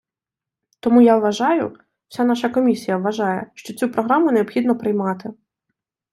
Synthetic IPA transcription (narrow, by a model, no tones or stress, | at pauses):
t̪ɔmujaʋʋɐʒɑjʊ̰ | w̥sʲanɑʃɐkɔmʲisʲijɐʋʋːɐʒɑjɛʃt͡ʃɔt͡sʲupɾɔɦɾamʊneɔpxʲid̪nɔpɾɪjmɑt̪ɪ